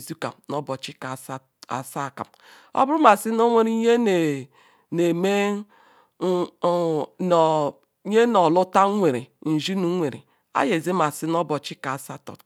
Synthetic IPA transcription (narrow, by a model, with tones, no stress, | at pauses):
zi˦ka̰˨mno˦bɔ˨t͡ʃi˦ka˨˦ | a̰˨sa˦˨ka̰˨m | o̰˦bu˦ma˨si˦no˦ŋʷe˦ɾi˦ɲe˦ne˨ | ne˨me˦˨˦ | ɲe˦nɔ˨lʊ˦ta˦ŋʷe˨ɾe˨n̩˨ʒi˦nu˦ŋʷe˨ɾḛ˨ | a̰˦je˨ze˦ma˨si˦no˦bɔ˨t͡ʃi˦ka˨sa˦tɔ̰˨t